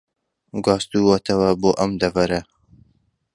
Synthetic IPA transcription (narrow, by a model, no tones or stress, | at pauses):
ɡɑːst̪uwɐt̪ʰɐwɐboːʔɐmd̪ɐvɐɾɐ